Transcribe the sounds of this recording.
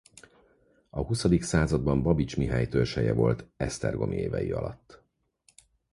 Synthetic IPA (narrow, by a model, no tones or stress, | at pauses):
ɒɦusɒd̪iksaːzɒd̪̚bɒmbɒbit͡ʃmiɦaːjt̪ørʃɛjɛvo̞lt̪ɛst̪ɛrɡo̞mʔieːvɛjiɒ̰lɒt̪ː